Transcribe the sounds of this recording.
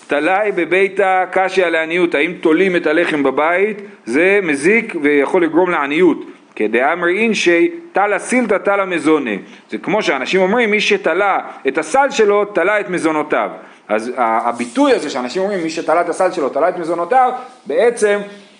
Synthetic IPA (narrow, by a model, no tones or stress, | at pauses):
t̪alajbe̞be̞jt̪akaʃialeanijuthaimt̪o̞lime̞tale̞χe̞mbabait | ze̞mezikvejaχo̞lːiɡʁo̞mleanijut | ked̪eamʁeinʃejt̪alasilt̪at̪alame̞zonḛ | zekmo̞ʃeanaʃimo̞mʁimːiʃet̪alaetasalʃe̞lo̞t̪alaet̪mezo̞no̞ta̰v | ʔa̰zaːbit̪ujaze̞ʃeanaʃimomʁimːiʃet̪alaet̪asalʃe̞lo̞t̪alaet̪mezo̞not̪avbee̞t͡se̞m